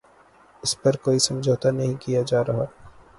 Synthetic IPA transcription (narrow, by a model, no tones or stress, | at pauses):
ɪspɐɾkoːisɐ̃md͡ʒoːt̪anɐɦĩkijad͡ʒaːɾɐɦa